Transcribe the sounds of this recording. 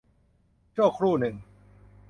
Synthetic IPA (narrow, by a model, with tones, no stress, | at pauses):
t͡ɕu˥˩əkʰɾuː˥˩nɯ˨˩ŋ